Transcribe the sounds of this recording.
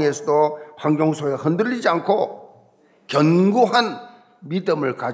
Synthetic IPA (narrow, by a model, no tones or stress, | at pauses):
ŋesʰʌdoɸʰaŋɡjoŋsʰoehɯndɯʎːid͡ʑiankʰo | kjʌnɡuɦan | midɯmɯɭka